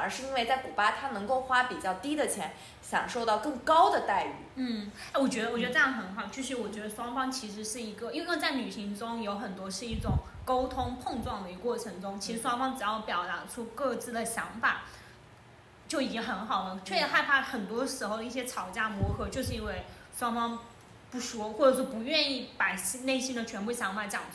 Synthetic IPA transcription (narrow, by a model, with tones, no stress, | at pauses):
ə˞˧˥ʂɻ̩˥˩˧i˥nwe˥˧ɪt͡sa˥˩ɪku˨˩pa˥t̪ʰa˥nɤ˧˥ŋko˥˩ʊxwa˥pi˨˩t͡ɕjɑ˥˩ʊt̪i˥d̪ə˨t͡ɕʰjɛ˧˥n | ɕjɑ˨˩ŋʂo˥˧ʊt̪ɑ˥˧ʊkɤ˥˩ŋkɑ˥ʊd̪ə˨t̪a˥˧˩ɪy̰˨˩˦n̩˥˩a˥˩wɔ˨˩t͡ɕɥɛ˧˥d̪ə˧wɔ˨˩t͡ɕɥ̪ə˧ʈ͡ʂjɑ˥˩ŋxə˧˥nxɑ˨˩ʊt͡ɕʰy˥˩ʂ̬ɻ̩˧˥wɔ˨˩t͡ɕɥɛ˧˥d̪ə˧swɑ˥ŋfɑ˥ŋt͡ɕʰi˧˥ʂ̬ɻ̩˧˥ʂɻ̩˥˩i˧˥ɡə˧i˥wt͡sa˥˩ɪny˨˩ɕi˧˥ŋʈ͡ʂʊ˥ŋjo˧˥ʊxə˨˩nt̪wɔ˥ʂɻ̩˥˧i˥˩ʈ͡ʂʊ˨˩ŋ | ko˥ʊt̪ʰʊ˥ŋpʰo˥˧ŋʈ͡ʂwɑ˥˩ŋd̪ə˩i˧˥˧kwɔ˥˩ʈ͡ʂʰɤ˧˥ŋʈ͡ʂʊ˥ŋt͡ɕʰi˧˥ʂɻ̩˧˥ʂwɑ˥ŋfɑ˥ŋʈ͡ʂ̩˨˩jɑ˥˩ʊpjɑ˨˩ʊt̪a˧˥ʂʰwɔ˥kɤ˥˧t͡sɹ̩˥˩d̪ə˩ɕjɑ˧˥ŋfa̰˨˩ɪ | t͡ɕjo˥˩ʊi˨˩t͡ɕi˧˥xə˧˥nxɑ˨˩ʊlə˦t͡ɕʰɥɛ˥˩ɛ˨˩xa˥˩ɪpʰa˥˩xə˨˩nt̪wɔ˥ʂɻ̩˧˥xo˥˧ʊə˩˧i˥˩ɕjɛ˥t͡sʰɑ˨˩ʊt͡ɕja˥˩mwɔ˧˥xɤ˧˥t͡ɕjo˥˧ʊʂ̬ɻ̩˥˧i˥nwe˥˧ɪ | ʂwɑ˥ŋfɑ˥ŋ | pu˥˩ʂwɔ˥xwɔ˥˩ʈ͡ʂɤ˨˩ʂwɔ˥˩pu˧˥ɥɛ˥˧ni˥˩pa˨˩ɪ˥ne˥˩ɪɕi˥nd̪ə˨t͡ɕʰɥɛ˧˥npu˥˩ɕjɑ˧˥ŋfa˨˩ɪt͡ɕjɑ˨˩ŋ